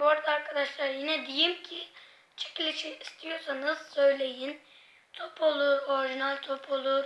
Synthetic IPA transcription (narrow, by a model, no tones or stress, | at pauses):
buaɾad̪aːɾkʰad̪aʃlˠaɾjinɛd̪ejimcʰi | t͡ʃʰe̥clʲit͡ʃiist̪ʰijo̞ɾsanɯz̥sø̞jlʲe̞jin | t̪ʰopʰo̞lˠuɾo̞ɾiʒinalʲt̪ʰo̞pʰo̞lˠuɾ